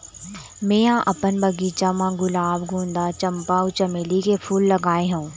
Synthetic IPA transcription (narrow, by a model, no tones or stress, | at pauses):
mẽːãʔɐpənbɐɡiːt͡ʃamãɡʊlaːbɡʱũːnd̪at͡ʃɐ̃mpaʊt͡ʃɐmeːlikepʰuːlːɐɡaːẽɦũː